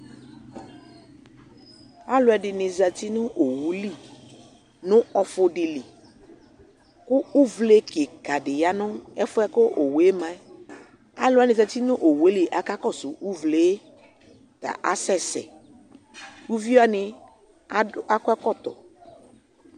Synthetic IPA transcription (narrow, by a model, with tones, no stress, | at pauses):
a˦lʊ˨˦ɛ˨dɪ˨nɪ˨za˨t̪i˦nʊ̃˦ʔo˨wu˨li˦˨ | nʊ̃˦ɔ˨fʊ˨ɖɪ˨li˨ | kʊ˦u˦vle˦ke˨ka˨dɪ˨ja˦nʊ˦ɛ˦fʊ˦ɛ˦kʊ˦ʔo˨we˦mã˦ | a˦lʊ˦ɛ˦nɪ̃˨za˨t̪i˦nʊ̃˦ʔo˨we˦li˦˨ʔa˨ka˦kɔ˦˨sʊ˨ʔu˦vle˨˦ | t̪a̰˨ʔa˨sɛ˦sɛ̰˨ | u˦vi˦a˦nɪ˨˦ | a˦kʊ˦ɛ˦kɔ˦˨t̪ɔ̰˨